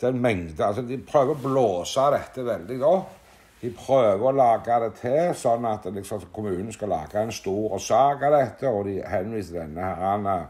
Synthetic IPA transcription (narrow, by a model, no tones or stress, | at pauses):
d̪̥ɛnmɛŋd̪əalsɔd̪ɪpʰɾøːʋəʁɔbloːsad̪ɛt̪ːəʋɛld̪ɪd̪o | d̪̥ɪpʰɾøːʋəɾɔlɑːɡad̪ɛt̪ʰesɔnːat̪lɪksɔmkʰʊmʉːnən̩skalɑ̰ːɡaɛnst̪uːɾsɑːkad̪ɛt̪ʰːəɔd̪ɪhɛnʋiːsəd̪ɛnːəhæɾanə